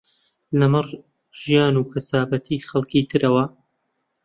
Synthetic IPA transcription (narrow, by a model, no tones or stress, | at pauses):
lɐmɨr | ʒ̥ijaːnuːkʰɐsaːbɐt̪ʰiːxɐlˠkiːt̪ʰɨɾɐwɐ